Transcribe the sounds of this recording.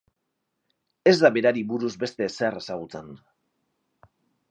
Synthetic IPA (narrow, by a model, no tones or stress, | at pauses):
e̞zd̪aβe̞ɾaɾiβuɾuzbe̞st̪e̞ːse̞re̞saɣ̞ut͡sen